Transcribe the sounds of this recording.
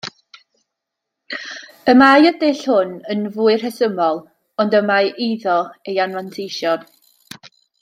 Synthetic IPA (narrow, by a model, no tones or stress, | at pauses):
əmajədeɬhʊnənvuːɨr̥hɛsəmɔlˠ | ɔndəmajʔiðɔejanvlˠantʰejʃjɔn